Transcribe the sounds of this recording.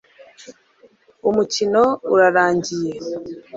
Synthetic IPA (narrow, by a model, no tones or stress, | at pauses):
omucino̞uɾaɾaːɲɟiɾe